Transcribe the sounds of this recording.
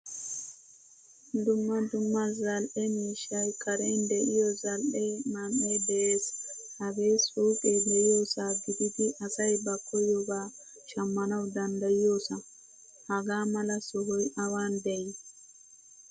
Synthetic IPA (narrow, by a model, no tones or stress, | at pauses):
d̪ʊmːɐd̪ʊmːɐzɐlʔɛmiːʃɐjkʼɐɾɛnd̪ɛʔɪjɔzɐlʔɛmɐmɛjdeshɐbesɔwkʼɛdɛjoːsaɡɪd̪ɪd̪ɪʔɐsɐjbɐkʰːɔjɔba | ʃɐmːɐnɐwd̪ɐnd̪ɐjoːsa | hɐɡaːmɐlɐsɔɦɔjʔɐwaːnd̪ɛj